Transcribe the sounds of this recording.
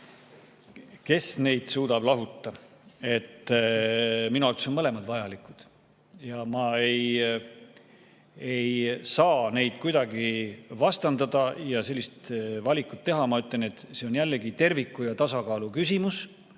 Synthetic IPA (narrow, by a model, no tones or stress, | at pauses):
ke̞sne̞jd̪̥suːd̪̥ɑb̥lɑɦut̪ːɑe̞t̪ː | minuɑlt̪k̪somɤle̞mɑd̪̥vɑjɑlikːˑud̪̥ | jɑmɑe̞j | e̞jsɑːne̞jd̪̥̚kujd̪ɑɡivɑst̪ɑnd̪ɑd̪ɑjɑse̞lʲːist̪vɑlʲikut̪ːe̞ɦɑmɑyt̪lene̞t̪ːseonjælːeɡit̪e̞rvikːˑujɑt̪ɑsɑkɑːlukysʲimus